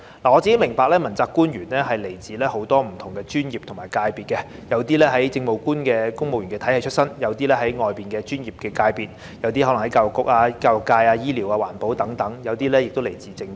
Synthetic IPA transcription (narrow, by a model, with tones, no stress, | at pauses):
laː˨˩ŋɔ˨˧t͡siː˨ke˦˥jmɪ˨˩ŋpaː˧k̚lɛː˥mɐ˨˩nt͡saː˧kːuː˥njyː˨˩nlɛː˥ɦɐ˨jle˨˩jt͡siː˨lɛː˥ho˨˥wt̪ɔː˥m̩˨˩t̪ʰʊ˨˩ŋkɛ˧t͡ʃyː˥njiː˨p̚t̪ʰʊ˨˩maː˨˩jkaː˧jpiː˨t̚kɛ˧ | jɐ˨˧wt̪iː˥lɛː˥ɦɐ˨˥jt͡sɪ˧ŋmo˨wkuː˥nkɛː˧kʊ˥ŋmo˨wjyː˨˩nkɛ˧t̪ʰɐ˨˥jɐ˨jt͡ʃʰɵ˥t̚sɐ˥njɐ˨˧wt̪iː˥lɛː˥ɦɐ˨˥jŋɔː˨jpiː˨nkɛː˧t͡ʃyː˥njiː˨p̚kɛː˧kaː˧jpiː˨t̚ | jɐ˨˧wt̪iː˥hɔ˨˦˥lɐ˨˩ŋhɐ˨˦jkaː˧jwʊ˨kːʊ˨k̚aː˧kaː˧wʊ˨kːaː˧jaː˧jiː˥liː˨˩waː˧waː˨˩npo˨˥wt̪ɐ˨˥ŋt̪ɐ˨˥ŋjɐ˨˧wt̪iː˥lɛː˥jɪ˨k̚t̪o˥wle˨˩jt͡siː˨˧t͡sɪ˧ŋ